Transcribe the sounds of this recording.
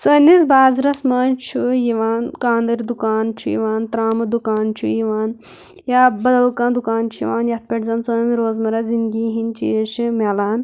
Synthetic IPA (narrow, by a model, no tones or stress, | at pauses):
sonisbaːzɾɐsmaːnt͡ʃʰujiʋaːnkaːnd̪ɐɾd̪ukaːnt͡ʃʰṵjḭʋaːnt̪ɾaːmɐd̪ukaːnt͡ʃʰṵjiʋaːn | jaːbɐd̪ɐlkãːnd̪ukaːnt͡ʃʰujiʋaːnjɐt̪̚pʲeʈzɐnsɐmiɾoːzmɐɾɐzinɡiɦint͡ʃḭːʃimeːlaːn